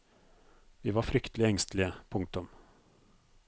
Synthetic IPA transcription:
vɪvaɾfɾʏkt̪ʰəlɪɡɛŋst̪lɪɡəpʰʊŋk̚t̪ɵm

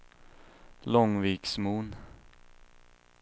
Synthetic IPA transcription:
lɔŋviːksmuːn

